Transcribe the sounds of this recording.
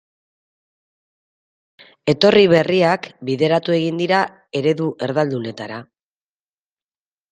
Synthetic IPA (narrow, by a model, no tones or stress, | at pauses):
e̞t̪o̞riβe̞riakbiðe̞ɾat̪ue̞ɣind̪iɾa | e̞ɾe̞ðuʔe̞ɾðald̪une̞t̪aɾa